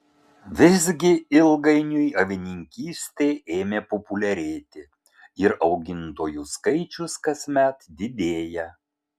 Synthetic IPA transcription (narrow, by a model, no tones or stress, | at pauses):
ʋʲɪzʲɡʲɪɪlˠɡɐɪnʲʊjɐʋʲɪnʲɪŋʲkʲiːsʲt̪ʲeːʔeːmʲeːpɔpʊlʲɛɾʲeːt̪ʲɪ | ɪɾɒʊɡʲɪnt̪oːjuskɐɪt͡ʃʲʊskɐsʲmʲɛt̪d̪ʲɪd̪ʲeːjɛ